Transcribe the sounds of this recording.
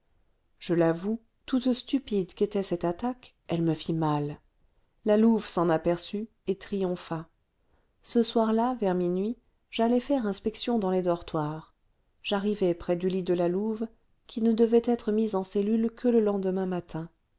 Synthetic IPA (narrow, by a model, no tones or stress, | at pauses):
ʒ̥əlavu | t̪ut̪st̪ypid̪ket̪ɛsɛt̪at̪ak | ɛlməfimal | laluvsɑ̃napɛʁsy | et̪χijɔ̃fa | səswaʁlavɛʁminɥi | ʒ̥alɛfɛʁɛ̃spɛksjɔ̃d̪ɑ̃lɛd̪ɔʁt̪waʁ | ʒ̥aʁivɛpχɛd̪ylid̪əlaluv | kʲʰinəd̪əvɛt̪ɛt̪χəmizɑ̃sɛlylkʰələlɑ̃d̪əmɛ̃mat̪ʰɛ̃